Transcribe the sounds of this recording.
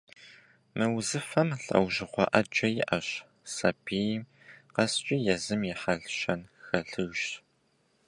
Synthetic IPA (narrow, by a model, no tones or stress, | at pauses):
mɨwzɨfɐmɬɐ̰wʒɪqʷɔʔɐd͡ʒʼɐjɪʔɐɕ | sɐ̰bʰiːjm | qɐst͡ʃʷʼijɛzɨmjɪħɐɮɕɐnxɐɬɨɣʃ